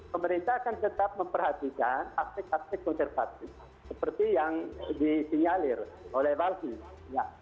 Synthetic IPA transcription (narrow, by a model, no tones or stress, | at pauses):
pəməɾint̪aːkant̪ət̪ap̚məmpərhat̪ikanast̪ɪk̚ast̪ɪk̚kɔnsɛrfat̪i | səpərt̪ijaŋdisiŋalɪr | olɛhbalki | ja